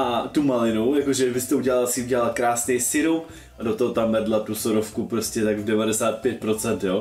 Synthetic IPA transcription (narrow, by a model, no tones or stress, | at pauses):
ʔat̪umalɪnujakoʒɛvɪst̪ɛuɟɛlalsɪuɟɛlalkɾaːsnɛjsɪɾo | ʔadot̪oɦot̪amvɛdlat̪usoɾofkupɾoscɛt̪aɡdɛvadɛsaːt̪̚pjɛt̪̚pɾo̞t͡sɛnt̪jo